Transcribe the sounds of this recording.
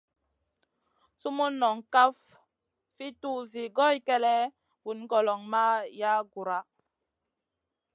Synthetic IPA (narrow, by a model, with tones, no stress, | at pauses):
su˦mu˦nːɔ˨ŋka˦f | fi˦tu˦zi˨ɡɔ˦˨jkɛ˦lɛ˦ | vu˨n˦ɡɔ˨lɔ˨ŋma˦ja˦ɡu˨ɾa˦